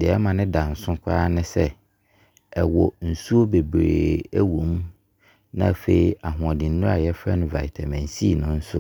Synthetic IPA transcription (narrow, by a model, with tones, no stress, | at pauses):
dɪ˨ɛ˦mã˨nɪ̃˦dã˨n̩˨sʊ̃˦kʷʰa̰˦nɪ̃˦sɛ˦ | ɛ˨wɔ˨n̩˨su˦o˦be˨bɾḛː˨æ˦wũ˨˦m | nã̰˦˨fe˨i˨a˨ɦʊ̃˨ɔ̃˨dɪ̃˨n̩˦nʊ̃˦a˨jɛ˦fɾɛ˦nʊ̃˦va̰˨ɪ˨tʰɛ˨mæ̃˨n̩˨si˦˨nʊ̃˦n̩˦sʊ̰˦